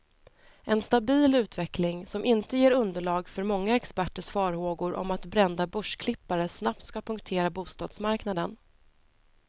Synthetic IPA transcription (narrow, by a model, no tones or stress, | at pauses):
ʔɛnst̪abiːlʉ̟ːt̪vɛklɪŋsɔmʔɪnt̪əjeːɾɵnd̪əɭɑːɡfœɾmɔŋːaɛkspæʈːəʂfɑːɾhoːɡʊɾʔɔ̰mat̪bɾɛnd̪abɵʂkʰlɪpːaɾəsnap̚t̪skapʰɵŋkt̪ʰeːɾabuːst̪ɑːd̪̥smaɾknad̪ən